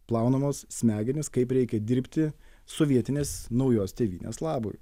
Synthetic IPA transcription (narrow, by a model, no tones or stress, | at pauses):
plˠɑˑʊnɐmoːssʲmʲæːɡʲɛnʲɪskɐɪpɾʲɛɪkʲɛd̪ʲɪɾʲpʲt̪ʲɪ | soʋʲiɛt̪ʲɪnʲeːsnɐʊjoːst̪ʲeːʋʲiːnʲḛːslˠɑːbʊ̰j